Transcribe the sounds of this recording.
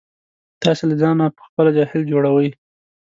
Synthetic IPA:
t̪ɑselazɑnapə̥xpəlad͡ʒɑhɪld͡ʒoɽawəj

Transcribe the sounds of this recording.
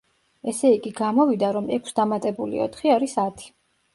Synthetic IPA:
ɛsɛikʼiɡamɔvid̪aɾɔmɛkʰʷsd̪amat̪ʼɛbulḭɔ̰t̪ʰχiaɾisat̪ʰi̥

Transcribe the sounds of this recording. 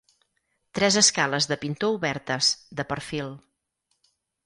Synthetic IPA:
t̪ɾɛzəskaləzðəpint̪ouβɛɾt̪əz̥d̪əpəɾfilˠ

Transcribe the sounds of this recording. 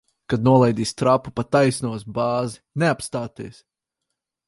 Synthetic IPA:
kad̪nuɔlˠɛjd̪iːst̪ɾapːupat̪ajsnuɔsbaːzi̥neapst̪aːt̪eːs

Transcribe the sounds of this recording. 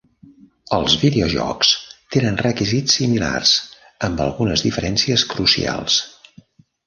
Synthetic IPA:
əlˠzβiðeoʒɔ̰kst̪enənrəkizit͡ssːimila̰rz̥ | əmbə̰lˠɣunəzðifəɾɛnsiəskɾusia̰lˠs

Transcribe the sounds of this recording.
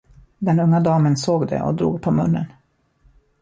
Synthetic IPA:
d̪ɛnɵŋːad̪ɑːmənsoːɡd̪ɛ̰ʔɔ̰d̪ɾṵːɡpʰɔmɵnːə̰n

